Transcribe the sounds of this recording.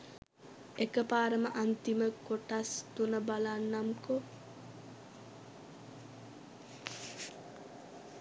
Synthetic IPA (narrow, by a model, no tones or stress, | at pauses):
ekəpaːɾəməʔant̪iməkoʈast̪unəbalanːamko